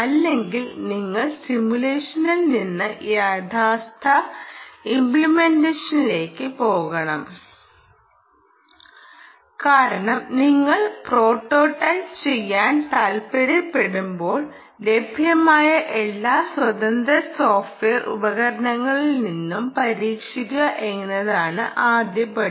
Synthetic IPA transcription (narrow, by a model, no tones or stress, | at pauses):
ɐlːe̞ŋɡilniŋːɐɭsimjuleːʂɐnilninːɨjaːd̪ʱaːst̪ʰɐ | impɭimendeːʂɐnile̞ːkːɨpo̞ːɣɐɳɐm | kaːɾɐɳɐmniŋːɐɭpro̞ːʈːo̞ːʈːɐjst͡ɕe̞jːaːnt̪ɐlpeɾipːe̞ɽumbo̞ːɭ | le̞bʱjɐmaːjɐʔe̞lːaːswɐd̪ɐnd̪ɾɐso̞ːfʈʋeːrʔṵbɐɣɐɾɐɳɐŋːɐɭilninːumpɐɾiːkʂiɾuɣɐʔe̞ŋːnːɐðaːɳɨ̰ʔaːd̪jɐpːɐ